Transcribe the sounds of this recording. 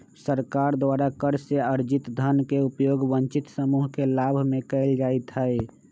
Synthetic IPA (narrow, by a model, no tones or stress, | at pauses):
səɾkaɾd̪ʋaːɾakəɾseəɾd͡ʒɪt̪d̪ʱənkeupjoːɡbənt͡ʃɪt̪səmuɦkelaːbʱmẽkɛɪld͡ʒaːet̪ɦəe